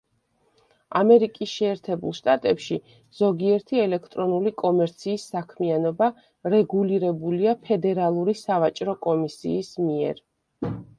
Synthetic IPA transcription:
amɛɾikʼisʃɛːɾt̪ʰɛbṵlˠʃt̪ʼat̪ʼɛpʃi | z̥ɔɡiɛɾt̪ʰiɛlɛkʰt̪ʼɾɔnulikʼɔmɛɾt̪sʰiːsːakʰmianɔba | ɾɛɡuliɾɛbuliapʰɛd̪ɛɾalˠuɾisavat͡ʃʼɾɔkʼɔmisḭːsmiɛ̰ɾ

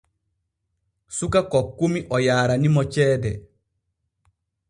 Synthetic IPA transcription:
sukakɔkːumiʔɔjaːɾanimɔt͡ʃɛːdɛ

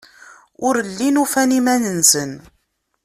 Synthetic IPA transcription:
ʊɾəlːinufænimænənsən

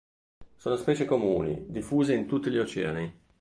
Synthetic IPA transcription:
soːnospɛːt͡ʃekomuːnḭd̪ifːuːzeint̪ut̪ːiʎiot͡ʃɛ̰ːani

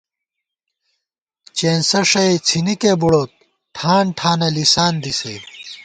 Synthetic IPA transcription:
t͡ɕeːnsɐʂɐet͡sʰinikeːbuɽoːt̪̚ | ʈʰaːɳʈʰaːnɐlisaːnd̪isḛː

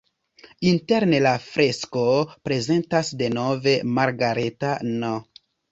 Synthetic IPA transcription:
inte̞ɾnelafɾe̞sko̞pɾe̞ze̞ntasde̞no̞ve̞maɾɡaɾe̞tano

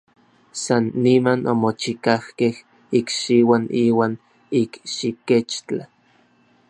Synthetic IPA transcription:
sanːimanomot͡ʃikahkeh | ikʃiwaniːwaːn | ikʃiket͡ʃt͡ɬa

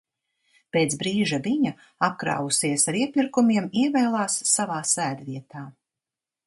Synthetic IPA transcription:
peːt̪sbɾiːʒaviɲa | ap̚kɾa̰ːwusiɛsaɾiɛpʲiɾkumiɛmiɛvɛːlˠaːsːavaːsæːd̪viɛt̪aː

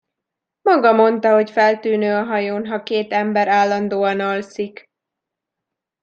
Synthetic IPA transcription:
mɒɡɒmo̞nt̪ɒɦo̞cfɛlt̪yːnøːɒɦɒjoːnɦɒkeːt̪ɛmbɛɾaːlːɒnd̪oːɒnɒlsik

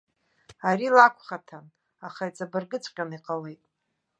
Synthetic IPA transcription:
arilakʷʰχatʰan | aχait͡sʼabɨrɡɨt͡sʷʼqʲʼaniqʼalejtʼ

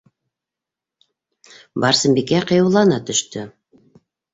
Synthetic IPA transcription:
bɑɾsɘ̆mbikæqɤ̆julˠɑnɑt̪ɵ̆ʃt̪ɵ

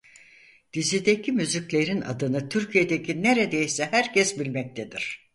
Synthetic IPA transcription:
d̪̥izid̪ecʰimyzycʲlʲe̞ɾina̰d̪ɯnɯt̪ʰyɾcʰijed̪e̞cʰʲineɾed̪ejsɛhæɾcʰɛsbilʲmɛc̚t̪ʰed̪iɾ̥

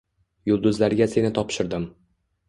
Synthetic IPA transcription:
jʊlˠd̪ʊzlaɾɡʲase̞nɪt̪ʰɒpʃɪɾd̪ɪm

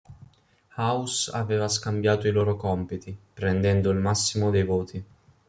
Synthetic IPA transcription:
hawsa̰vɛːvaskambjaːt̪oiloːɾokɔmpit̪ipɾɛnd̪ɛnd̪oilmasːimod̪ejvoːt̪ʰi

